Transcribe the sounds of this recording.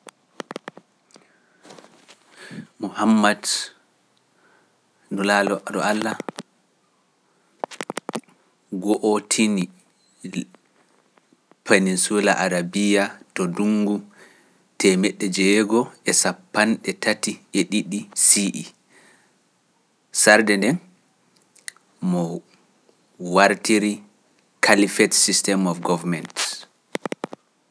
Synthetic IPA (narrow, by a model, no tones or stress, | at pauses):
muhamːad | nɔlalɔɗɔ̰alːa | ɡɔʔotʰini | pʰeninsula̰ʔaɾabijatɔduŋɡu | tʰɛmɛɗːɛd͡ʒɛːɡɔɛsapːanɗɛtatieɗiɗisiʔḭ | saɾdɛndɛn | mɔ | waɾtiɾi | kʰalifɛtsistɛmɔfɡɔvamɛnt